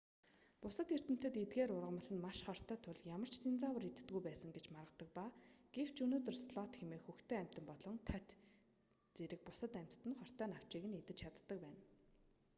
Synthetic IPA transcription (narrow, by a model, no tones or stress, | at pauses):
pʊsə̆t̪xer̥t̪ɘ̆m̥t̪ɘ̆t̪et̪ɡeːɾʊrʁə̆mə̆ɮɘ̆nmaʃχɔr̥t̪œːt̪ʰʊɮjamə̆r̥t͡ɕʰt̪ʰent͡saːwə̆rit̪ɘ̆t̪ɡujpæːsə̆ŋɡet͡ɕmaɾʁə̆t̪ə̆k̚paɡ̥ew̥t͡ɕɵnoːt̪̬ɵ̆rsɮɔt̪xemeːxuxt̪eːæm̥ʲt̪ə̆mpɔɮɞ̆nt̪ʰœt̪ | t͡seɾɘ̆k̚pʊsə̆t̪æm̥ʲt̪ːɘ̆nχɔr̥t̪œːnaw̥t͡ɕiːɣɘ̆net̪ɘ̆t͡ɕt͡ɕʰat̪ːə̆k̚pæːn